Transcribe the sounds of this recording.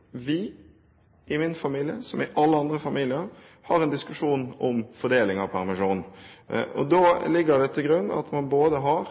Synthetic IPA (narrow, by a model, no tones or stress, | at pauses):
ʋɪ | ʔɪmɪnfɑmiːlɪəsɔmɪʔɑlːəɑnd̪ɾəfɑmiːlɪəɾ | hɑɾɛnd̪ɪskʉʂuːnɔmfɔɖ̪eːlɪŋɑʋpʰæɾmɪʂuːn | ɔ̰d̪oːlɪɡːəd̪ɛt̪ʰɪlɡɾʉnːɑ̰t̪mɑnboːd̪əɦɑɾ